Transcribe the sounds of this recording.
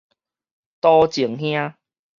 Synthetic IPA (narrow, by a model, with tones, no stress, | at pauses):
t̪ɔ˦t͡ɕi˨˩əŋhj̃ã˦